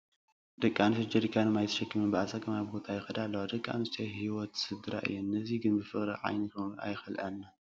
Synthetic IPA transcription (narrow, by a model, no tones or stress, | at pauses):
d̪̥ɐkʼːanɨsɨd͡ʒɐd̪ikʰanɨmajt̪ʰɐ̥ʃɐkʰːɨmɨnbɨʔasakʰɐmabbot̪ʰajɪxɐd̪alːɐwod̪ɐkʼːa̰nɨst̪ʰɐjhiwɔt̪sɨd̪ɨɾa̰ʔɨ̰jːɛnnɐziɡɨnbɨfɨχʼɾiʕa̰jnɨkʰɐa̰jxɐlʔanːa